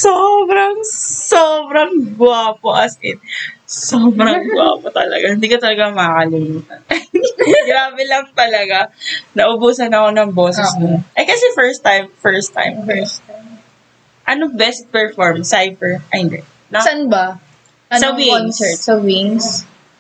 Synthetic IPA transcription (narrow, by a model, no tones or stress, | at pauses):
soːbɾɐŋsoːbɾɐŋɡʊaːpoʔɐsɪnsoːbɾɐŋɡʊa̰pot̪ɐ̰lɐ̰ɡahɪnd̪iːkot̪ɐlɐɡamɐakɐlɪmuːt̪ɐnɐɡɾaːbɛlɐŋt̪ɐlɐɡanɐʔʊbuːsɐnɐko̞nɐŋboːsɛsnoʔɛkɐsɛfɛɹst̪ːajmfɛɹst̪ːa̰jmfɛst̪am | ʔɐnobɛst̪̚pɛɹfɔɹmsajfɛɹʔɐɪnd̪ɛ | nɐsanbɐ | ɐsɐwinsɛsɐwiŋs